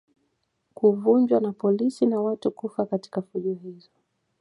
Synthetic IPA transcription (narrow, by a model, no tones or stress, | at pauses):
kuvuɲd͡ʒwanapɔlisinawatukufakati̥kafuʄɔhizɔ